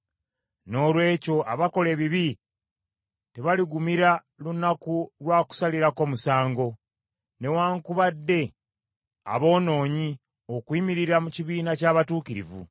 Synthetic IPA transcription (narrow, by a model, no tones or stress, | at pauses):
no̞ːlwe̞ːco̞ʔaβako̞le̞ːβiβi | te̞βaliɡumiɾa | lunːakulwaːku̥saliɾako̞musaːŋɡo̞ | ne̞waːŋkuβadːe̞ | a̰βo̞ːno̞ːɲi | o̞kwiːmiɾiɾamuciβiːnacaːβatuːkiɾḭvṵ